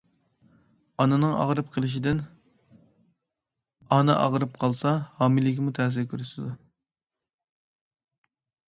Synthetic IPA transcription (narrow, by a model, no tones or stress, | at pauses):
ɑnɨnɨŋɑ̰ʁɾɨp̚qʰəlˠɪʃ̬id̪ɪn | ɑnɨʔɑ̰ʁɾɨp̚qʰɑlˠsɑhɑːmilːɪkʲimut̪ʰɛːs̬ɪɾkʲʰyɾysɪd̪u